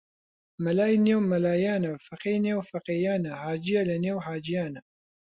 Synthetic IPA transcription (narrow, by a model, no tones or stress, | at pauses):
mɐlaːjneːwmɐlaːjaːnɐfɐqeneːwfɐqeːjaːnɐhaːd͡ʒijalɐneːwɦaːd͡ʒijaːnɐ